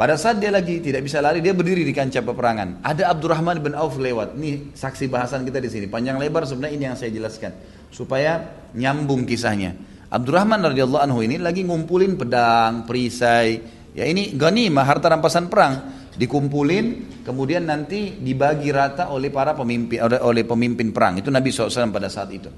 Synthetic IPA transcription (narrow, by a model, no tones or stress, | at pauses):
padasaat̪̚dialaɡit̪idaʔ̚bisalaɾidiabərdiɾidikaɲt͡ʃapəpəɾaŋa̰nadaːb̚durahmanbɪnauflewat̪̚inisaksibaɦasankit̪adisinipaɲd͡ʒaŋlebars̬əbənɲainijaŋsajad͡ʒəlaskan | supaja | ɲambʊŋkisa̰hɲa̰ | ʔa̰b̚durahmanrɔdiɑlːɑanɦuinilaɡiŋumpulɪnpədaŋpəɾisaj | ja̰iniɡanimaɦart̪aɾampasanpəɾaŋ | dikumpulɪn | kəmudianːant̪idibaɡiɾat̪aʔolɛhpaɾapəmimpɪʔolɛhpəmimpɪnpəɾa̰ŋit̪unabisɔlasalampadasaat̪it̪u